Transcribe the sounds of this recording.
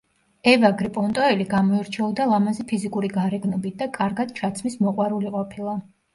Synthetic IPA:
ɛvaɡɾipʼɔnt̪ʼɔɛliɡamɔiɾt͡ʃʰɛɔd̪alˠamazɛpʰizikʼuɾiɡaɾɛɡnɔbit̪̚ʰd̪̥akʼaɾɡad̪̥t͡ʃʰat̪sʰmismɔqʼwaɾuliqʼɔpʰilˠa

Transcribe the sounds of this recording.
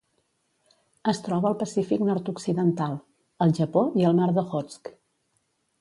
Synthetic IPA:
əst̪ɾɔβəːlˠpəsifiknɔɾt̪uksiðənt̪alˠ | əlˠʒəpoiəlˠnaɾðoɣɔt͡sk

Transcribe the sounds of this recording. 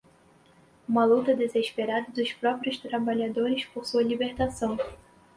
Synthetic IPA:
ũmɐlut̪ɐd̪ezeʃpeɾad̪ɐd̪ʊspɾɔpɾiʊst̪ɾabaʎad̪oɾɪspoɾsuɐlibeɾt̪asɐ̃w̃

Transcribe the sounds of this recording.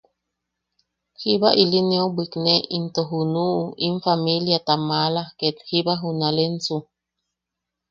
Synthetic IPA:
hiβaʔilineobikneint̪oɦunuinfamiljat̪amalahket̪hibaɦunalensu

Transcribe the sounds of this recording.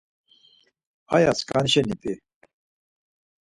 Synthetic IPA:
a̰jaskʼanʃɛnipʼi

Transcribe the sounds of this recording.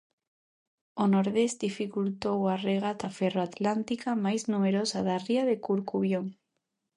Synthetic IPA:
onoɾðesd̪ifikult̪owareɣ̞at̪aferoat̪lant̪ikamajznumeɾosaðariað̞ekuɾkuβjoŋ

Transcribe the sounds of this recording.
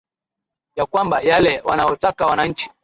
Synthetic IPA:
jakwambajalɛwanajɔtakawanaɲ̩t͡ʃi̥

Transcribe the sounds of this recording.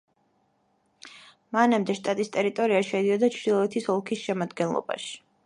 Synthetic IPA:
manamd̪ɛʃt̪ʼat̪ʼist̪ʼɛɾit̪ʼɔɾiaʃɛd̪iɔd̪at͡ʃʰd̪ilˠɔɛt̪ʰisɔlˠkʰisʃɛmad̪ɡɛnlˠɔ̰ba̰ʃi̥

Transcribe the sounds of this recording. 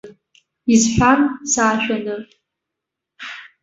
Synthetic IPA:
izħʷarsaːʃᶣanɨ

